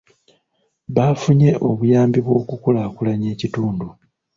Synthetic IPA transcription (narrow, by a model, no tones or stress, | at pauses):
βafuɲe̞ʔo̞βujaːmbiβwo̞ːkukulakulaɲe̞ːcituːndu